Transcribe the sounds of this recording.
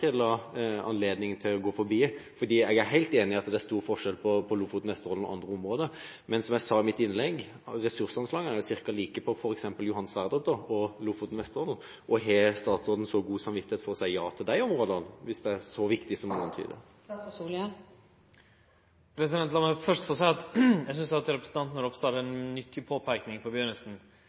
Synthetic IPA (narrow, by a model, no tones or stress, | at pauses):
ɪlːɑɑ̰nleːd̪nɪŋənt̪ʰɪlɔɡoːfɔɾbiːfɔd̪iːɛɡæɾɦæɪlt̪eːnɪɑt̪d̪ɛæʂst̪uːɾfɔʂɛlpʰɔpʰɔlufʊt̪nʋɛst̪əɾɔl̩ɔ̰ɑnd̪ɾəɔmʁoːd̪ə | mɛnsɔmæsɑːɪmɪt̪ɪnlɛɡ | ɾɛsʉɾsɑnslɑːɡənæɾjʊsɪɾkɑliːkəpʰɔfɔɾɛksɛmpəljʊɦɑnːəsʋæʁd̪ət̪̚d̪ɔɔluːfʊt̪nʋɛst̪əɾɔln̩ | ʔɔɦɛst̪ɑːt̪sɾoːd̪n̩sɔɡuːsɑmʋɪt̪ːɪheːt̪fɔʁɔsæɪjɑːt̪ʰɪld̪æɪɔmɾoːd̪əɑnʋɪsd̪ɛæɾsɔʋɪkt̪ɪsɔmɑnɑnt̪ʰy̰ːd̪ə̰ | pʰɾɛsɪd̪ɛnt̪lɑːməfœʂʈfɔsɛɑt̪jæɪs̬ʏnsɑt̪ɾɛpɾəsn̩t̪ɑnt̪nəɾɔpst̪ɑːʈəɛnmʏt̪ʰːɪpʰoːpʰæɪknɪŋpʰɔbjøːɾnəsn̩